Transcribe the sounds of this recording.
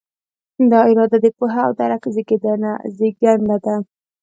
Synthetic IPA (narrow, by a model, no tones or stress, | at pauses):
d̪ɑɪɾɑd̪ad̪əpuɦa̰ːwd̪aɾakziɡed̪ana̰ziɡand̪ad̪a